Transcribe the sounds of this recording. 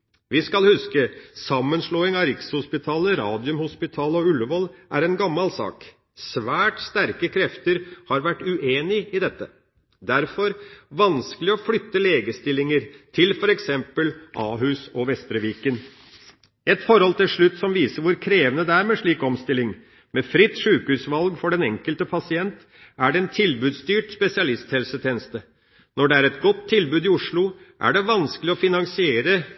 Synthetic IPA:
ʋɪskɑlhʉskəsɑmːənʂloːɪŋɑɾɪkshʊspɪt̪ʰɑːləɾɑːd̪ɪʉmhʊspɪt̪ʰɑːləɔʉləʋɔlʔæɾɛnɡɑmːɑlsɑ̰ːk | sʋæːʈst̪æɾkəkʰɾɛft̪əɾhɑɾʋæʈːʉʔeːnɪɪd̪ɛt̪ːə | d̪æɾfɔɾʋɑnskəlɪɔflʏt̪ːəleːɡəst̪ɪlɪŋəɾt̪ʰɪlfɔɾɛksɛmpəlʔɑːɦʉːsɔʋɛst̪ɾəʋiːkən | ɛt̪fɔɾhɔlt̪ɪlʂɭʉt̪ːsɔmʋiːsəɾʋʊɾkʰɾeːʋənəd̪ɛæːɾmeːʂɭiːkɔmst̪ɪlːɪŋ | mefɾɪt̪ːʂʉːkhʉːsʋɑlɡfɔɖɛnɛŋkəlt̪əpʰɑsɪɛnt̪ | æɖɛɛnt̪ʰɪlbʉːd̪st̪yːʈspɛsɪɑlɪst̪hɛlsət̪ʰeːnəst̪ə | nɔɖɛæɾɛt̪ɡɔt̪ʰːɪlbʉːd̪ɪʊʂɭʊʔæ̰ɖɛʋɑnskəlɪɔfɪnɑŋsɪeːɾə

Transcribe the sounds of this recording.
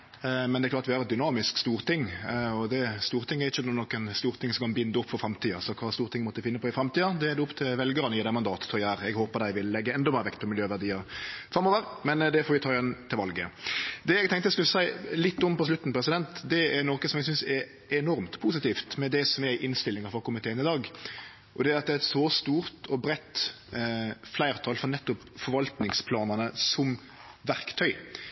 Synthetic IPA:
mɛnd̪ɛɾklɑːt̪ʋɪhɑɾɛt̪d̪ʏnɑːmɪskst̪uːɾt̪ʰɪŋːɔd̪ɛst̪uːɾt̪ʰɪŋːɛɾɪçːənɔkːənst̪uːɾt̪ʰɪŋsɔmkʰɑnbɪnd̪əʊpːfɔɾfɾɑmt̪ʰiːɑsɔkʰʋɑːst̪uːɾt̪ɪŋːmɔt̪əd̪ɪfɪnːəpʰɔɪfɾɑmt̪iːɑd̪ɛɛd̪ʊpt̪ʰɪlʋɛlɡəɾənəɪːd̪æmɑnd̪ɑːt̪t̪ʰɔjæːɾɛɡhoːpəd̪æɪʋɪlːɛɡːəɛnd̪ɔmeːɾəʋɛkt̪̚pʰɔmɪljøːʋæʁd̪iːəɾfɾɑmːoːʋəɾmɛnd̪ɛfɔɾʋɪt̪ɑːɛnt̪ʰɪlʋɑlɡə̰d̪ɛɛɡt̪ʰɛŋkt̪əskʉlsæɪlɪt̪ːɔmpɔs̬lʉt̪ːn̩pʰɾɛsɪd̪ɛnt̪d̪ɛæɾnoːkəsɔmɛɡs̬ʏnsɛɾ | ɛnɔɾmt̪pʰuːs̬ɪt̪iːft̪mɛd̪ɛsɔmɛɾʔɪnst̪ɪlːɪŋəɾfɔkʊmɪt̪ʰeːənɪd̪ɑːɡ | ʔɔd̪ɛæɾɑt̪̚d̪ɛæɾɛt̪sɔst̪uːɾt̪ʰɔbɾɛt̪ː | flæɪʁt̪ʰɑːlfɔɾnɛt̪ːʊpfɔɾʋɑlt̪nɪŋspʰlɑːnənəsɔm | ʋæʁkt̪ʰœʏ

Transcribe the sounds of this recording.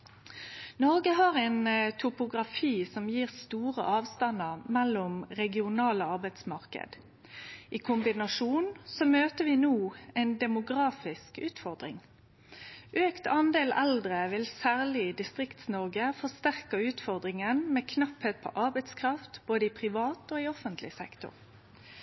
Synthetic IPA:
nɔʁɡəɦɑːʁɛnt̪ʰʊpʊɡʁɑfiːsɔmjiːʁst̪uːʁə̰ʔɑːʋst̪ɑnəʁmɛlːʊmʁɛɡɪʊnɑːləɑʁbæɪt̪smɑʁkə̰d̪̥ | ʔiːkʰʊmbɪnɑʂuːnsɔmøːt̪əʋɪnuːɛɪnd̪ɛmʊɡʁɑːfɪskʉːt̪fɔʁd̪ʁɪ̰ŋ | ʔøːkt̪ʰɑnd̪eːlɛ̰ld̪ʁəʋɪlsæːʁlɪd̪ɪst̪ʁɪkt̪snɔʁɡəfɔʁst̪æʁkəʉːt̪fɔʁd̪ʁɪŋənmeːkʰnɑpheːt̪̚pʰɔ̰ʔɑʁbæɪt̪skʰʁɑft̪b̥oːd̪əɪpʰʁɪʋɑːt̪oːɪɔfənt̪lɪsɛ̰kt̪ʊ̰ʁ

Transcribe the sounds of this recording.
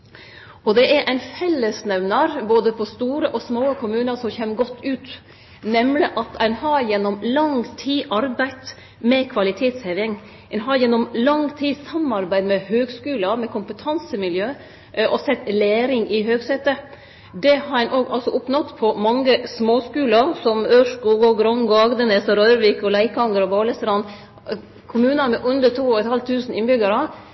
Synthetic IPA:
ɔd̪ɛʔæɾʔæɪnfɛlːəsnɛʋnɑɾboːd̪əpʰɔst̪uːɾəʔɔsmoːəkʰʊmʉːnəɾʂɔmçeːmɡɔt̪ʰːʉːt̪ | nɛmlɪʔɑt̪ʰæɪnhɑɾjɛnːɔmlɑŋt̪ʰiːʔɑɾbæɪt̪ | mɛkʰʋɑlɪt̪ʰeːt̪shɛʋɪŋ | æɛɪnɦɑɾjɛnːɔmlɑŋt̪ʰiːsɑmɑɾbæɪd̪mɛhøːɡskʉːlɑmɛkʰʊmpət̪ʰɑnsəmɪljøː | ʔɔsɛt̪ːleːɾɪŋʔɪɦøːɡset̪ə | d̪ɛhɑɾɛnʔoːɡɑ̰lsɔʔʊpnɔt̪ːpʰɔmɑŋːəsmoːskʉːlɑɾsɔmøːʂkuːɡɔɡɾɔŋɡɔɑɡd̪əneːsɔɾœʏɾʋikɔlæɪkɑŋːəɾɔboːləst̪ɾɑn | kʰʊmʉːnɑmɛʔʉnd̪ət̪ʰuːɔɛt̪hɑlt̪ʰʉːsn̩ɪnbʏɡɑɾɑ

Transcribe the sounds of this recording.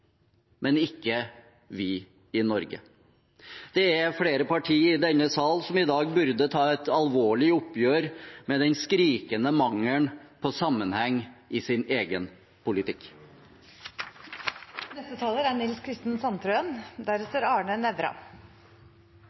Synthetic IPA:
mʔɛnɪkːə | ʋɪ | ɪnɔɾɡə̰ | d̪̥ɛæɾfɽeːɾəpɑʈʰiːɪd̪ɛnːəsɑːlsɔmɪd̪ɑːɡ̚bʉɾd̪ət̪ʰɑːɛt̪ɑlʋoːɭɪʊpːjøːɾmɛːd̪ɛnskɾiːkənəmɑŋəɳpʰɔsɑmːənhɛŋːʔɪsɪneːɡən | pʰʊlɪt̪ɪk | nɛst̪ət̪ʰɑːləɾæɳɪlskʰɾɪst̪ənsɑnt̪ɾœənd̪æɾəsəɾɑːɳənɛʋɾɑ̰

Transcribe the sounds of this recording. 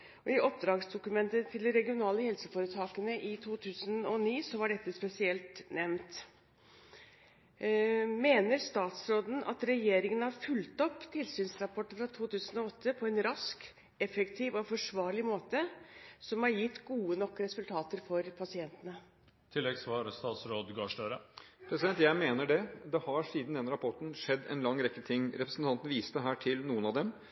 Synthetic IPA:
ɔɪʔɔp̚d̪ɾɑːɡsd̪ʊkʉmɛnt̪ət̪ʰːɪld̪ɛɾɛɡɪʊnɑːləhɛlsəfoːɾət̪ʰɑːkənəʔɪt̪ʰuːt̪ʰʉːsənɔniːsɔʋɑɖɛt̪ːəspɛsɪɛlt̪nɛʋnt̪ | meːnəɾst̪ɑːt̪sɾoːd̪n̩ɑ̰t̪ɾɛjeːɾɪŋənhɑɾfʉlt̪ɔpːt̪ʰɪlsyːnsɾɑpʰɔʈːəfɾɑt̪ʰuːt̪ʉːsənɔɔt̪ʰːəpʰɔɛnɾɑsk | ɛfɛkt̪ʰiːʋɔfɔʂʋɑːɾɭɪmoːt̪əsɔmhɑɾjɪt̪ːɡuːənɔkːɾɛsʉlt̪ʰɑːt̪əɾfɔɾpʰɑsɪɛnt̪ənə | t̪ʰɪlːɛɡsʋɑːɾst̪ɑːt̪sɾoːd̪ɡɑːʂʈøːɾəpʰɾɛsɪd̪ɛnt̪jæɪmeːnəɖɛd̪ɛhɑɾsiːd̪nd̪ɛnɾɑpʰɔʈɳ̩n̩ʂɛd̪ːɛ̰nlɑŋːɾɛkːət̪ʰɪŋːɾɛpɾəsn̩t̪ʰɑnt̪n̩ʋiːst̪əɦæːʈʰɪlnuːənɑd̪ɛm

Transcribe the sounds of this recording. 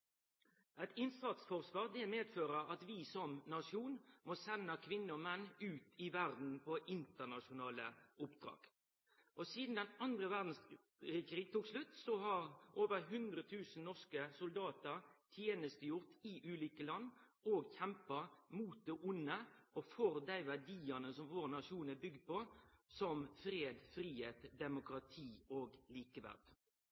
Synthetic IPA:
æɪt̪ɪnsɑt̪sfɔʁsʋɑːʁd̪ɛmeːd̪føːʁəʁɑt̪ʋɪsɔmnɑʂɪuːnmɔsɛnːəkʰʋɪnːəɔmɛnːʉːt̪ɪʋæʁd̪n̩pʰɔʔɪnt̪ənɑʂʊnɑːlə̰ʊpd̪̥ʁɑ̰ːɡ̥ | ʔɔsiːd̪n̩d̪ɛnɑnd̪ʁəʋæʁd̪n̩s | kʁiːɡ̚t̪ʰuːɡslʉt̪ːsɔɦɑʁʔoːʋəʁɦʉnd̪ʁət̪ʰʉːsn̩nɔʁskəsʊld̪ɑːt̪əɾt̪ʰjeːnəst̪əjʊʁt̪ɪʔʉːliːkəlɑnː | oːɡçɛmpɑmuːt̪̚d̪eːʔʊnːəʔɔfɔɾd̪æɪʋædiːənəsɔmʋoːʁnɑʂuːnəbʏɡd̪̚pɔsɔmfɾeːd̪fɾiːheːt̪d̪ɛmʊkɾɑt̪ʰiːoːɡliːkəʋæ̰ʁd̪̥

